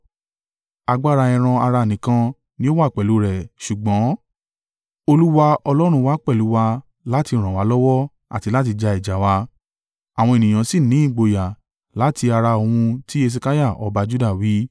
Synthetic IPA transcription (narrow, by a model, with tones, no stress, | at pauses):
a˧ɡ͡ba˦ɾa˧ɛ̃˧ɾ̃ã˧a˧ɾa˧˨nĩ˨kã˧ | nĩ˦o˦wa˦˨k͡pɛ˨lu˨˦ɾɛ˨ʃu˨ɡ͡bɔ̃˨˦ | o˧lu˦wa˧ɔ˧lɔ˦ɾ̃ũ˧wa˦k͡pɛ˦˨lu˨˦wa˧ | la˦ti˧˨ɾ̃ã˨wa˨˦lɔ˦wɔ˦ | a̰˨ti˧la˦t̬i˧d͡ʒa˧i˨d͡ʒa˨wa˧ | a˨w̃ɔ̃˧e˨nĩ˨j̃ã˨si˦˨nĩ˨˦i˦˨ɡ͡bo˨ja˨ | la˨˦tʰi˧a˧ɾa˧o˧hũ˧tʰi˦e˦˧s̬e˧ka˦ja˦˨ʔɔ˧˦ba˧d͡ʒu˦da˦˨wi˨˦